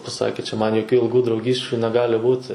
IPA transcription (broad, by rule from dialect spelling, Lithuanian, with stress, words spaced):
pɐˈsɑːkʲeː t͡ʃʲɛ ˈmɐn joːˈkʲuː ɪlˠˈɡuː drɐʊˈɡʲiːsʲt͡ʃʲʊ nʲɛˈɡɑːlʲɪ ˈbuːtʲɪ